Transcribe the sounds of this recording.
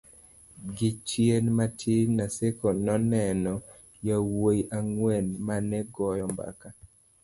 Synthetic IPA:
ɡɪt͡ʃjenmatʰinasekonɔnɛnɔ | jawoiʔaŋwɛnmanɛɡɔjɔmba̰ka

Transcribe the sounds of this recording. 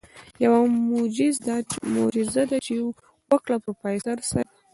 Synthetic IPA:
jawamʊd͡ʒɪzd̪amo̰d͡ʒɪzad̪at͡ʃe | waklapəɾpajsaɾsa

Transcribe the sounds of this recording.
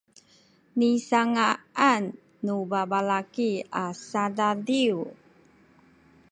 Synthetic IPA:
nisaŋaanː | ubabalakiasadadiu

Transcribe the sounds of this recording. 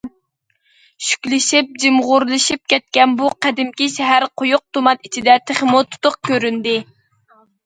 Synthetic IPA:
ʃy̥kʲlɪʃip̚d͡ʒimʁʊɾlˠɨʃip̚kʲɛt̪̚kʲɛnbuqʰæd̪ɪmkʲiʃɛɦæɾqʰojʊq̚t̪umɑt̪it͡ʃʰid̪ɛt̪ʰeχmut̪ʰu̥t̪ʊq̚kʲøɾynd̪ɪ

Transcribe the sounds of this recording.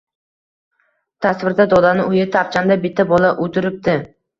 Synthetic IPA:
t̪ʰasvɪɾd̪ad̪ɒd̪anɪʊjɪt̪ʰap̚t͡ʃʰand̪abɪt̪ʰːabɒlaʔot̪ʰɪɾɪp̚d̪ɪ

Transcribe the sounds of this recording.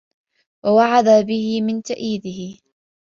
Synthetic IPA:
wawaʕad̪abɪhɪmɪnt̪aʔiːd̪ɪɦɪ

